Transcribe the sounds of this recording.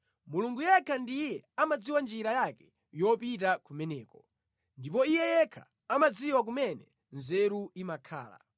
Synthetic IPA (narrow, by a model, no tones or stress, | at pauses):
muluŋɡujɛkʰandijɛamad͡ziwand͡ʒiɾajakɛ | jɔpit̬akumɛnɛːkɔ | ndip̬ɔijɛjɛkʰa̰ | amad͡ziwak̬umɛnɛ | nzɛɾuimakʰa̰ːla̰